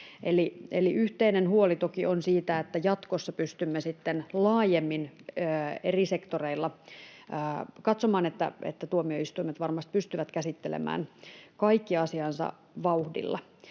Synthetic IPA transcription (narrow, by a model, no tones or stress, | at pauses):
elieliʔyht̪einenhuolit̪okionsiːt̪æet̪ːæjɑt̪kosːɑpyst̪ymːesit̪ːenlɑːjemːinː | erisekt̪oreilːɑː | kɑt̪somɑːnet̪ːæ̰ḛt̪ːæt̪uomioist̪uimet̪ʋɑrmɑst̪̚pyst̪yʋæt̪kæsit̪ːelḛmæ̰ːnkɑikːiɑsiɑnsɑ̰ | ʋɑuhdḭlːɑ̰